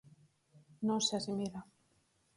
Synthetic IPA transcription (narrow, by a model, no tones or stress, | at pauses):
nõŋseasimila